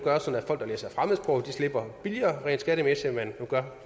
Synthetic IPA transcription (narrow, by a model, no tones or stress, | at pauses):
ɡ̥ɶɐsɒ̽n̩æfɒ̽l̰ɡ̥d̥ɑlḛːsɑfʁamð̩ˠsb̥ʰʁɔʊd̥isle̝b̥ɐb̥iliɐːʁɛ̰ːndsɡ̥æɾəmesimennuɡ̥ɶɐ